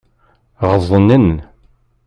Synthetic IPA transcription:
ʁəzˤənːən

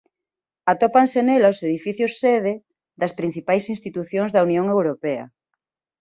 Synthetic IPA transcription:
at̪opaŋsenelaoseð̞ifiθjosːeð̞e | d̪ɐspɾin̟θipajsinst̪it̪uθjoŋzðɐunjoŋewɾopeɐ̰

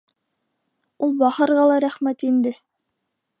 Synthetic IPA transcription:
ulˠbɑhɤ̆ɾʁɑlˠɑɾæχmæt̪ind̪ɘ

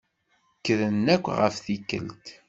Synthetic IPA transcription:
kːəðənːækʷːʁə̰fθikːə̰lt̪

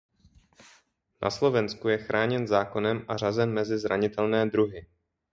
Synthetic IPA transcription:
nʔa̰slo̞vɛnskujɛxɾʔaːɲɛnzaːko̞nɛmʔar̝azɛnmɛzɪzɾaɲɪt̪ɛlnɛːd̪ɾuɦɪ

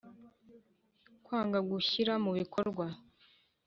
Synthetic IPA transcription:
kwaːŋɡaɡuçiɾamuβikʰo̞ɾɡwa

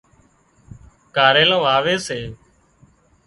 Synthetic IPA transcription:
kaːɾeːlõːʋaːʋeːseː

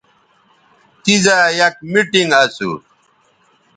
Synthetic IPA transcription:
t̪izajɐk̚miʈiŋɡɐsṵ

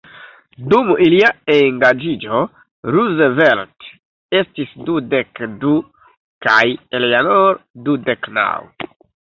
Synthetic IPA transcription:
dumiliaeŋɡad͡ʒid͡ʒo | ɾuzvelt | estisdudekdu | kajeleanoɾdudekna̰w

